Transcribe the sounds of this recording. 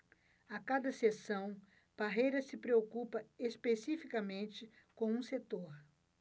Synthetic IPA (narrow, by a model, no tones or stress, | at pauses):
akad̪ɐsesɐ̃w̃ | paɦejɾɐsɪpɾeokupɐespesifikɐmẽnt͡ʃɪ | kõw̃ũset̪oɾ